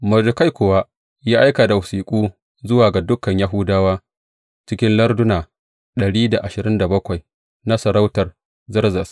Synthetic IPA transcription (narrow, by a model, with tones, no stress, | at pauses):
mɐ˨d͡ʒʊ˨ka˦jkʷʊ˨wa˦ | jaː˦ʔa˦jkaː˨da˨wʊ˨siː˨kʷʼuː˦ | zʊ˦waː˨ɡa˨dʊ˦kːɐ˨ɲja˦ɦʊ˦daː˦waː˦ | t͡ʃɪ˦kʲɪ˦nlɐ˦rdʊ˦naː˨ | ɗɐ˨ɽiː˦da˨ʔa˨ʃɪ˨ɾɪ˦nda˨bɐ˦kʷa˨j | na˦sɐ˨ɾa˦wtɐ˨r | zɪ˦rzɐ˨s